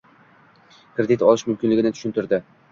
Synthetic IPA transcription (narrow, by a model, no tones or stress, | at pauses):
kʰɾed̪it̪ɒlˠɪʃmʊmkʲɪnlɪɡʲɪnɪt̪ʊ̥ʃɪnt̪ɪɾd̪ɪ